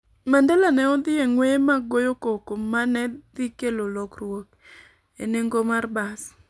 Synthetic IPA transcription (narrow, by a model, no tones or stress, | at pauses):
mandelanɛɔd̪ɪeŋwemaɡojokokomanɛd̪ikelolɔkrwok | ḛneŋɡomarbas